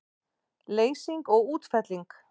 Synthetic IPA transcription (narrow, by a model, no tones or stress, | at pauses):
leːjsiŋkɔɣuːt̪fɛt̪liŋk